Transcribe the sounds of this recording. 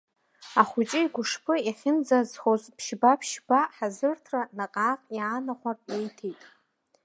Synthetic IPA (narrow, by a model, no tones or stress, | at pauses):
aχʷʊt͡ʃʼɪiɡʷʊʂpʰʼɨiχʲɪnd͡zazχozpʰʃbapʰʃbaħazɨrtʰranaqʼaːqʼjaːnaχʷarʼejtʰejtʼ